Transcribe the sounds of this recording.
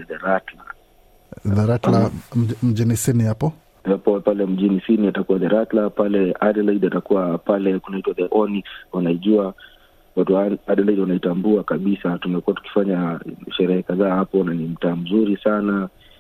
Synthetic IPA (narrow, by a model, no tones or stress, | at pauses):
ðɛɾatla | ðaɾatlam̩ʄinisinihapɔ | apɔpalɛm̩ʄinisiniatakuwaðɛɾatlapalɛaɗɛlaiɗiatakuwapalɛkunaitwaðɛʔɔniwanaiʄua | watuaaɗɛlaiɗwanaitambuakaɓisatumɛkuwatu̥ki̥faɲaʃɛɾɛhɛkaðaːhapɔnanim̩taːm̩zuɾisana